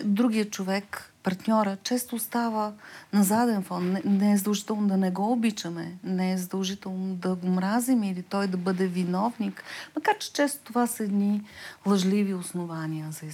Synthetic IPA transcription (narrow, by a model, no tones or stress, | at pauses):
d̪ɾuɡʲijət͡ʃovɛkpɐɾt̪nʲɔɾət͡ʃɛst̪ost̪avənɐzad̪ɛnfɔnnɛɛzəd̪ɐlˠʒit̪ɛlˠnod̪ɐnɛɡɔʊbit͡ʃəmɛnɛɛzəd̪ɐlˠʒit̪ɛlˠnod̪ɐɡʊmɾazimilit̪ɔjd̪ɐbɤd̪ɛvinɔvnikmɐkaɾt͡ʃɛ̥t͡ʃɛst̪o̥t̪ovasɐɛd̪nilˠɐʒliviʊsnovanʲiəzɐi